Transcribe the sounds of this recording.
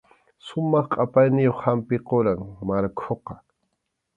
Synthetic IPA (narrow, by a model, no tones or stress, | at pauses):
sʊmɑχqʼapajnɪjoχhampɪqoɾaŋmaɾkʰoqɑ